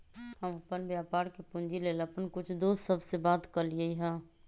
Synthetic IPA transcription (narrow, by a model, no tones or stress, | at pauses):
həməpənbjapaɾkepund͡ʒileləpənkut͡ʃʰd̪ossəbʱsebat̪kəliəjɦə̃